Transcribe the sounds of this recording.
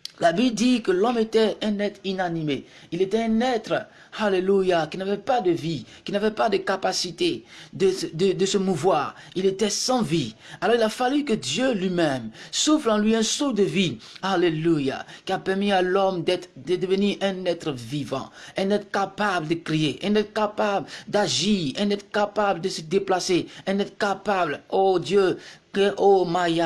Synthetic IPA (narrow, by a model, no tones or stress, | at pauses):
labibd̪ikəlɔmet̪ɛɛ̃nɛt̪inanime | ilet̪ɛɛ̃nɛt̪ʁə | halelujakinavɛpad̪əvikkilnavɛpad̪əkapasit̪ed̪əd̪əd̪əsəmuvwaːʁ | ilet̪ɛsɑ̃vialɔʁilafalykəd̪jølɥimɛmsuflɑ̃lɥiɛ̃sod̪əvialeluja̰kiapɛʁmialɔmd̪ɛt̪ʁd̪əd̪əvəniʁɛ̃nɛt̪ʁəvivɑ̰̃ɛ̃nɛt̪ʁkapabld̪əkʁijeʔɛ̃nɛt̪kapabld̪aʒiʁɛ̃nɛt̪χəkapabld̪əsəd̪eplaseɛ̃nɛt̪χəkapablod̪jøkɛʔomaja